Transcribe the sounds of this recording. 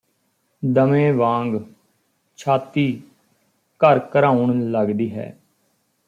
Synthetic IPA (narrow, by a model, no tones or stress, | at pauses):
d̪əmẽːʋãːŋɡ | t͡ʃʰaːt̪iː | kəɾkəɾaːʊɳləɡd̪iːɦɛ̰ː